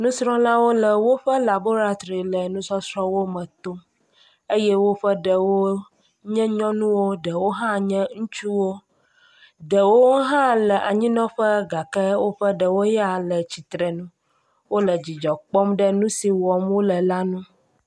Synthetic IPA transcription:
nũ˦sɾɔ̃˦lã˦wo˦lə˨wo˦ɸə˦la˨bo˦ɾa˦t̪ɾi˨lə˨nũ˦sɔ˦sɾɔ˦wo˦mə̃˨t̪o˦m | e˦jɛ˦wo˦ɸə˦ɖə˨wo˦ | ɲɛ̃˦ɲɔ̃˦nũ˦wo˦ɖə˨wo˦ɦã˦ɲɛ̃˦ŋũ˦t͡ʃu˦wo˦ | ɖə˨wo˦ɦã˦lə˨ʔa˨ɲĩ˦nɔ̃˦ɸə˦ɡa˨kə˦wo˦ɸə˦ɖə˨wo˦ja˨lə˨t͡ɕi˨t̪ɾɛ˨nũ˦ | wo˦lə˨d͡ʑi˨d͡ʒɔ˨k͡pɔ˦mɖə˦nũ˦si˨wɔ˨mwo˦lə˨la˦nũ˦

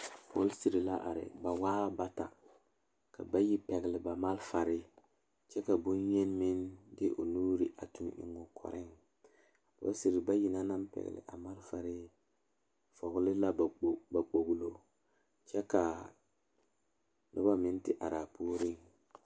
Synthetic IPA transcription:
pɔ˦lsi˨ɾi˨la˦ʔa˨ɾɪ̰˨ba˨waː˦ba˦ta̰˨ | ka̰˨ba˦ji˦pɛ˨ɣɪ˨lɪ˨ba˨ma˦lfa˨ɾɪ˦ | t͡ʃɛ˦ka˨bʊ˦njɛ˦n˦mɪ˦ndɪ˦ʔo˨nuː˦ɾi˨ʔa˨tu˨nɪ̰˨˦ŋɔ˦kʰɔ̰˨ɾɪ˦ŋ | po̰˦lsi˨ɾi˨ba˦ji˦na˦na˦mpɛ̰˨ɣɪ̰˨lɪ̰˨ʔa˨ma˦lfa˨ɾɪ˦ | fɔ˨ɣʊ˦lɪ˦la˦bba˨k͡po˨ɡlo˦ | t͡ʃɛ˦ka˨ | nʔʊ˦ba˦mɪ˦n˦tɪ˦ʔa˨ɾa˨pʰoː˦ɾɪ˦˨ŋ

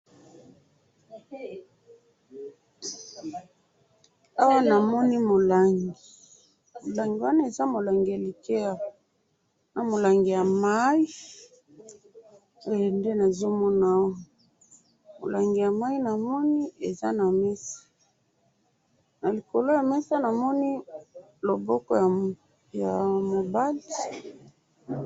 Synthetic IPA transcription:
a˦wa˦na˨mɔ˦ni˦mo˨la˨ŋɡi˨ | mo˨la˨ŋɡi˨wa˦na˦e˨za˦mo˨la˨ŋɡe˨li˨ke˦a˦wa˨ | na˨mo˨la˨ŋɡi˨ja˨ma˦i˦ | o˦jo˨nde˦na˨zo˦mɔ˦na˨o˦˨ | mo̰˨lʔa˨ŋɡi˨ja˨ma˦i˦na˨mɔ˦ni˦e˨za˦na˨mɛ˦sḁ˦ | na˨li˨ko˨lo˦ja˨mɛ˦sa˦na˨mɔ˦ni˦ | lo˨bɔ˦kɔ˦ja˨ | ja˨mo˨ba˦di˨

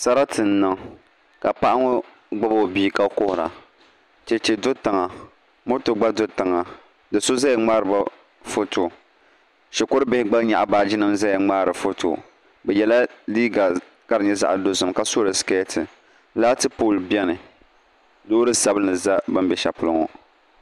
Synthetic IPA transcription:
sa˦ɾa˦tʰɨ˨n̩ː˦ɨ˨ŋ | ka˨pa˦ʔa˦ŋo˦ | ɡ͡ba˦bo˦˨biː˦ka˦kʊ˦hʊ˨ɾa̰˨ | t͡ʃɛ˨t͡ʃɛ˨dʊ˦ta˨ŋa˨ | mʊ˦ɾtʊ˨ɡ͡ba˦dʊ˦ta˨ŋa˨ | dɨ˨so˦za˦jɛ˨ŋ͡maː˦ɾɨ˨ba˦ | fo˦to˨ | ʃɛ˨kʊ˦ɾɨ˦bɪ˦hɪ˦ɡ͡ba˦lɲa̰˨ʔa˨baː˨d͡ʒɪ˦nɨ˦mza˦jɛ˨ŋ͡maː˦ɾɨ˨fo˦tʰo̰˨ | bɛ˨jɛ˨la˦liː˦ɡa˨ | ka˦ɾɨ˨ɲɛ˦za̰˦ʔa˨do˨˦zʊ˨mka˨so˦ɾɨ˨ske˦tʰɨ˨ | laː˦tɨ˦poː˦˨lbɛ˦nɨ˨ | doː˦ɾɨ˦sa˦bɨ˦nɨ˨za˦bɨ˦mbɛ˨ʃa˨pʊ˦lɨ˦ŋɔ˨

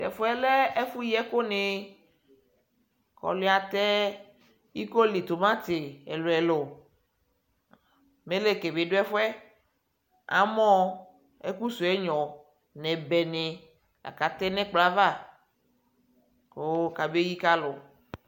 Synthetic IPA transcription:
t̪ɛ̰˨fo˦ɛ˦lɛ˦e˦fu˦jɛ˦ko˦ne˨ | kɔ̰˨le˦a˨t̪ɛ˦ | i˦ko˦li˨t̪o˨mã˦t̪e˨e˨lo˨ɛ˨lo˨ | me˦le˦ke˨be˨ɖo˦ɛ˦fwɛ˦ | a̰˨mɔ̃˦ | ḛ˦ku˦su˨ɛ˦ɲɔ̃˨ | nɛ̃˨bɛ˨ne˨ | a̰˨ka˨t̪ɛ˦nɛ̃˦k͡pla˦va˦˨ | ko˦ka˨be˦ji˦ka˦lo˨

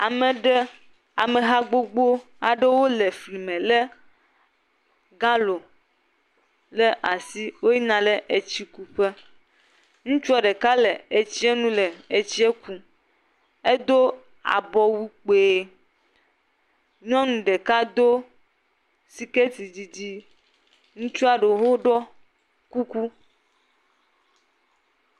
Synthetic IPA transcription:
a˨mẽ˨ɖɛ˦ | a˨mẽ˨ɦa˦ɡ͡bo˦ɡ͡bo˦ | a˨ɖe˦wo˦le˨fli˨mẽ˨le˦ | ɡã˦lo˨ | le˦ʔa˨si˦wo˦ji˦nã˨le˦ʔe˨t͡ɕi˦ku˦ɸe˦ | ŋũ˦t͡ʃu˦ɔ˨ɖe˨ka˦le˨e˨t͡ɕi˦e˦nũ˦lɛ˨e˨t͡ɕi˦e˦ku˦ | e˦d̪o˦ | a̰˨bɔ˦wi˦k͡pe˨ | ɲɔ̃˦nũ˨ɖe˨ka˦d̪o˦ | si˨ke˦t̪i˨di˨di˦ | ŋũ˦t͡ʃu˦a˨ɖe˨ɦo˦ɖɔ˦ | ku˦ku˦

